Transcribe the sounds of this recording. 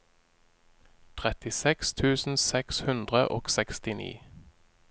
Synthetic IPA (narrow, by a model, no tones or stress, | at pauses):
t̪ʰʁɛt̪ɪsɛkst̪ʰʉːsn̩sɛkshʉnd̪ʁəʔoːɡsɛkst̪ɪnḭː